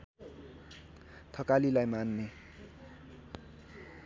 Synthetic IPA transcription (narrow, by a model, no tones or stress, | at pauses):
t̪ʰʌkalilajmanːe